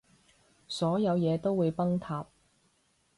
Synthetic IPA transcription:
sɔː˨˥jɐ˨˧wjɛː˨˧t̪o˥wwuː˨˧jpɐ˥ŋt̪ʰaː˧p̚

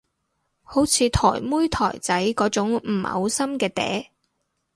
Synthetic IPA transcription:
ho˨˥wt͡sʰiː˨˧t̪ʰɔ̰ː˨˩jmuː˥jt̪ʰɔː˨˩jt͡sɐ˨˥jkɔː˨˥t͡sʊ˨˥ŋm̩˨˩hɐ̰˨˧˥wsɐ˥mkɛː˧t̪ɛ̰ː˨˥

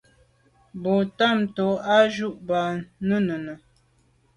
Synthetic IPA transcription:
bo˨ta˦˨mto˨a˦ʒu˦ʔba˨nə˦nə˨nə˨

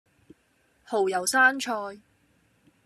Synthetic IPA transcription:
ho˨˩wjɐ˨˩wsaː˥nt͡ʃʰɔː˧j

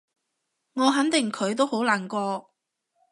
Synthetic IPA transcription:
ŋɔː˨˧ɦɐ˨˥nt̪ɪ˨˩ŋkʰɵ˨˧ɥt̪o˥who˨˥wlaː˨˩nkɔː˧

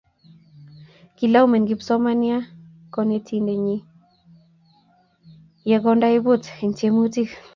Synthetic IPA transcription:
ki˨la˦wme˨nɡi˨psɔ˦ma˦ni˦a˦ | kɔ˧ne˦tʰi˦nde˨ɲi˦ | jɛ˧kɔ˦nda˦i˦bʊ˦te˨nt͡ʃe˦mu˦ti˦k

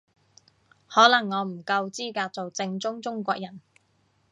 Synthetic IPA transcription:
hɔː˨˥lɐ˨˩ŋːɔː˨˧m̩˨˩kɐ˧wt͡siː˥kaː˧t̚t͡so˨wt͡sɪ˧ŋt͡sʊ˥ŋt͡sʊ˥ŋkʷɔː˧k̚jɐ˨˩n

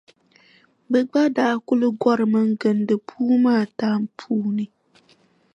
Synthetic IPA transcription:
bɛ˨ɡ͡ba˦daː˨˦kʊ˦lɨ˦ɡɔ˦ɾɨ˨mɨ˦ŋɡɨ˨ndɨ˨pʰuː˦maː˦˨taː˦mpʰuː˦nɨ˨

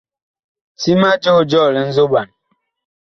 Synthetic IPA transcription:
si˦ma˦d͡ʒo˦˨d͡ʒɔ˦˨lə˨˦n̩˦zo˦ba˨n

